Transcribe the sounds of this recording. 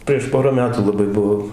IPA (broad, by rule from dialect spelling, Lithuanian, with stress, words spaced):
pʲrʲiɛʃ ˈpoːrɐ ˈmʲæːtuː lˠɐˈbɐɪ ˈbʊʋoː